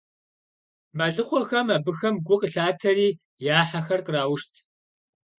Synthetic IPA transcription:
maɮɨχʷɔxɐmabɨxɐmɡʷʊqəɬaːtʰɐriː | jaːħaxɐrqəraːwʊʃtʰ

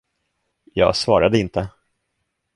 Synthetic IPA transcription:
jɑ̰ːɡsvɑ̰ːɾad̪əɪnt̪ʰə

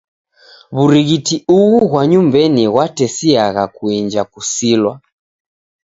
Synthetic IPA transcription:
βuɾiɣitiuɣuɣwaɲumbɛniɣwatɛsiaɣakuind͡ʒakusilwa

